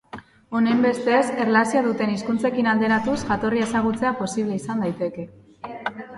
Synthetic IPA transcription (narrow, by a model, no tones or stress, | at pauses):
o̞ne̞mbe̞st̪eserlasiaðut̪e̞niskunt͡se̞kinald̪e̞ɾat̪usʝat̪o̞rie̞saɣ̞ut͡se̞apo̞siβle̞isand̪ajt̪e̞ke̞